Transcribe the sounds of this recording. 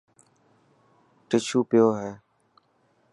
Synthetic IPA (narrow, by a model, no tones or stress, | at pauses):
ʈɪt͡ʃʰuːpɪjoːɦeː